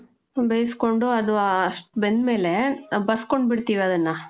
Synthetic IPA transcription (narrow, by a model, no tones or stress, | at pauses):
bejɐskoɳɖuɐd̪uɐʂʈbend̪meːlebɐskoɳɖbiɽt̪iːʋɐd̪ɐnːɐ